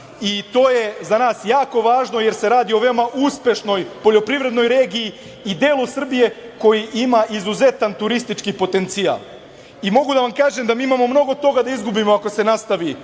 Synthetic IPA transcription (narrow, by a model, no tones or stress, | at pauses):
it̪o̞ːje̞zanaːsjaːko̞ʋaːʒno̞je̞ɾse̞ɾaːd̪io̞ʋe̞omaʔuspje̞ʃno̞jpo̞ʎo̞pɾiʋɾe̞d̪no̞jɾeːɡiji | id̪eːlˠusr̩bije̞ko̞jiʔimaʔizuze̞t̪ant̪uɾist̪it͡ʃkipo̞t̪e̞nt̪sia̰lˠ | imo̞ɡud̪aʋamkaːʒe̞md̪amiːimaːmo̞mno̞ɡo̞t̪o̞ɡad̪aizɡubimo̞ako̞se̞nast̪aʋi